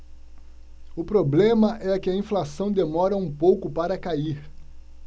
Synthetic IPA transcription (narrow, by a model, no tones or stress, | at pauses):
ʊpɾoblẽmɐʔɛkɪɐĩflasɐ̃w̃d̪emɔɾɐũpowkʊpaɾɐkaiɾ